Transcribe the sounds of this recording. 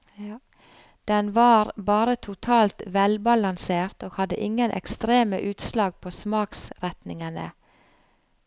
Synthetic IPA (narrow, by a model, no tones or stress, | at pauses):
d̪̥ɛnʋɑːɾbɑːɾət̪ʰʊt̪ʰɑːlt̪ʋɛlbɑlɑnseːɾt̪oːɡhɑd̪ə̰ʔɪŋənʔɛ̰kst̪ɾeːmə̰ʔʉːt̪slɑːɡ̚pʰoːsmɑːksɾɛt̪nɪŋənə̰